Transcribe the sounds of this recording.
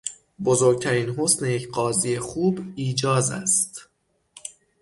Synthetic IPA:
bozo̞ːɾɡ̚t̪ʰæɾiːnɦo̞sne̞jecʰɢɒːziːjexuːbiːd͡ʒɒːzæ̰st̪

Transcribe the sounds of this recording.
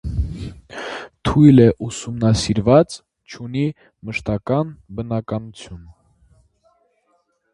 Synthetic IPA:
t̪ʰujlɛʔusumnɑsiɾvɑt͡s | t͡ʃʰuni | məʃt̪ɑkɑnbənɑkɑnut͡sʰjun

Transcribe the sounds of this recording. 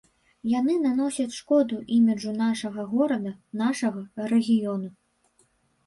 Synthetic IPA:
janɨnanɔsʲɐt͡sʲʂkɔd̪uʔimʲid͡ʐunaʂɐɣɐɣɔɾɐd̪ɐnaʂɐɣɐɾɛɣʲijɔnu

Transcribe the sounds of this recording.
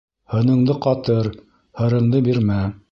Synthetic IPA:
hɤ̆nɤ̆ɴd̪ɤqɑt̪ɤɾ | hɤ̆ɾɤ̆ɴd̪ɤbiɾmæ

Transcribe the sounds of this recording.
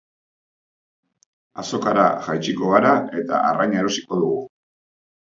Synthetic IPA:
aso̞kaɾaʝajt͡ʃiko̞ɣaɾae̞t̪a̰arajɲaeɾo̞si̥ko̞ðuɣu

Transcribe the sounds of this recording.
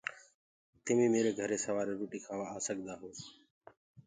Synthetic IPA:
t̪ɪmĩːmeːɾeːɡʱəɾeːsəʋaːɾeːɾoːʈiːkʰaːʋaːaːsəɠʱd̪aːɦoː

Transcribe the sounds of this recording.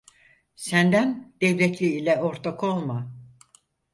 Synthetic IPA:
sænd̪ænd̪̥ɛvlʲɛt̪lʲiːlʲɛoɾt̪ʰakʰolˠma

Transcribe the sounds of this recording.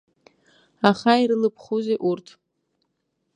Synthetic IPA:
aχaiɾɨlɨpʰχuzeʔurtʰ

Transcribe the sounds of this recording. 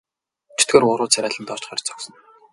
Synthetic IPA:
t͡ɕʰe̥t̪̚ɡeːrʊɾʊːt͡sʰæɾʲæːɮə̆nt̪ɔr̥t͡ɕχœrʲt͡sʰɔ̥ksɞ̆n

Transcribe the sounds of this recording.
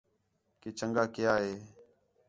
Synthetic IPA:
keːt͡ʃəŋɡaːkɪjaːɦeː

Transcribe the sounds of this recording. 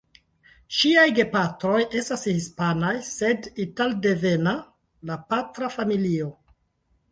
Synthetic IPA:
ʃiajɡe̞patɾo̞jʔe̞stashispanajse̞ditalde̞ve̞na | lapatɾafamilio̞

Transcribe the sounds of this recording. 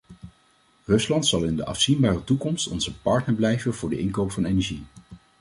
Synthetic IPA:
rɵslɑntsɑlˠɪndəʔɑ̰fsinbaːrətukɔmstɔ̰nzəpɑɹtnəɹblɛjvənv̥ʊːɹdə̰ʔɪnkowpfɑnejnɛɹʒi

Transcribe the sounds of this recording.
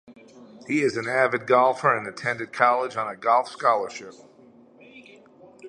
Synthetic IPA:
hiɪzɨ̃nævɨd̚ɡɑlˠfə˞ɨ̃nɨtʰɛ̃ndɨd̚kʰɑlˠəd͡ʒn̩ɨɡɑlˠfskɑlˠə˞ʃɪp̚

